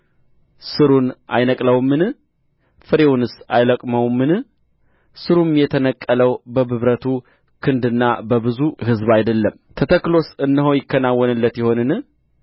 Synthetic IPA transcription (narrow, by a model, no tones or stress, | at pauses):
sɨɾunʔa̰jnəkʼləwmːɨn | fɨɾewunɨsajləkʼməwmːɨn | sɨɾumjɛt̪ʰənəkʼːələwbəbɨβɾət̪ʰu | kʰɨnd̪ɨnːabəβɨzuɦɨzβajd̪əlːəm | t̪ʰət̪ʰəkːlo̞sɨnːɨɦojɪkːənawːɔnɨlːət̪jɪho̞nɨnɨ